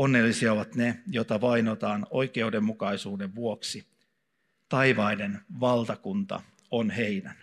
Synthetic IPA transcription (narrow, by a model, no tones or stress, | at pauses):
onːe̞lːisiɑoʋɑt̪nejot̪ɑʋɑinot̪ɑːno̞jke̞udemːukɑisuːde̞ʋʋuoksi | t̪ɑiʋɑinenʋɑlt̪ɑkunt̪ɑ̰ | onheinæn